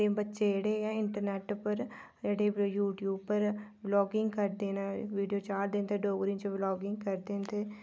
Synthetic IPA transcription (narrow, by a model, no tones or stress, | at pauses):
ebətːʃeɽeːɛ̃ːɪɳʈəɾneːʈpəɾ | d͡ʒeɽeːjuːʈjuːb̚pəɾʋlɔːɡɪŋɡkəɾd̪eːnɛːʋiːɖijoːt͡ʃaːɾd̪ẽːnt̪ʰeːɖoːɡɾɪ̃ŋt͡ʃəʋlɔːɡɪŋɡ̚kəɾd̪eːnt̪ʰeː